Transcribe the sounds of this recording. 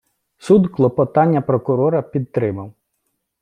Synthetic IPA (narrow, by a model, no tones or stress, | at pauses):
sud̪klˠɔpɔt̪ɑnʲːɐpɾɔkʊɾɔɾɐpʲid̪̚t̪ɾɪmɐw